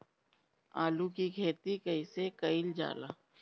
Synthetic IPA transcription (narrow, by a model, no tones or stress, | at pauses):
aːlukiɡʱeːt̪ikɐɪsekɐɪld͡ʒa̰ːlaː